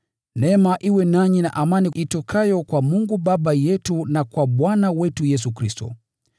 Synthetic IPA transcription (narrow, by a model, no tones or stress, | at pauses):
nɛmaʔiwɛnaɲina̰ʔamaniʔitɔkʰajɔkwamuŋɡuɓaɓajɛtunakwaɓwanawɛtujɛs̬ukɾistɔ̰